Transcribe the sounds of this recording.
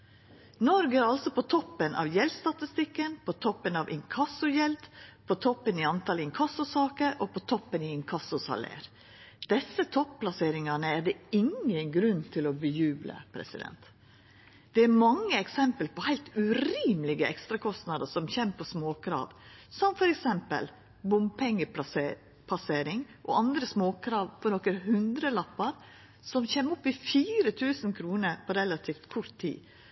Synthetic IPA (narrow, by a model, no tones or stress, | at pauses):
nɔɾɡæɾɑlsɔpɔt̪ʰɔpːənʔɑ̰ʋjɛlst̪ɑt̪ɪst̪ɪkːənpʰɔt̪ʰɔpːənɑʋʔɪŋkʰɑsʊjɛld̪pʰɔt̪ʰɔpːəniːɑnt̪ʰɑlɪŋkʰɑsʊsɑːkəɾoːpɔt̪ʰɔpːəniɪŋkʰɑsʊsɑ̰lḛːɾ | d̪̥ɛsːət̪ʰɔppʰlɑseːɾɪŋɑnəæɖ̪ɛɪŋənɡɾʉnːt̪ʰɪlɔbəjʉːblə̰pʰɾɛ̰sɪd̪ɛ̰nt̪ | d̪̥ɛæɾmɑŋːəɛksɛmpəlpɔhæɪlt̪ʉɾiːmlɪɡəɛ̰kst̪ɾɑkʰɔst̪nɑd̪əsɔmçɛmpʰɔsmoːkʰɾɑ̰ːʋsɔmfɔɾɛksɛmpə̰l | bʊmpʰɛŋːəpɑse | pʰɑseːɾɪŋʔɔ̰ʔɑnd̪ɾəsmoːkʰɾɑːʋpʰɔnɔkəɾɦʉnd̪ɾəlɑpːɑɾ | sɔmçeːmɔpːɪfiːɾət̪ʰʉːsənkʰɾuːnəɾpʰɔɾɛlɑt̪ʰiːft̪kʰɔɾt̪ʰːḭː